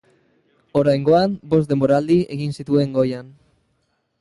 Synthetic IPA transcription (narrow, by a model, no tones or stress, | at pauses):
o̞ɾajŋɡo̞ambo̞sz̬d̪e̞mboɾald̪ie̞ɣinsit̪ue̞ŋɡo̞jan